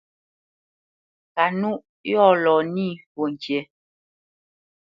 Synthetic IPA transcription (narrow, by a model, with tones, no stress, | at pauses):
ka˨nu˦ʔ | jɔ˦˨lɔː˨ni˦˨po˨ŋ˨kjɛ˨˦